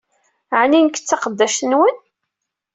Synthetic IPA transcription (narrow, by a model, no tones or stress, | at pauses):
ʕninkːə̥t͡sːɑqəd̪ːæʃnwən